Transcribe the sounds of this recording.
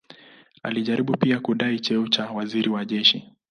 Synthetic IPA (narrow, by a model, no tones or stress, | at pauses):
a̰liʄaɾiɓupiakuɗait͡ʃɛut͡ʃawaziɾiwaʄɛʃi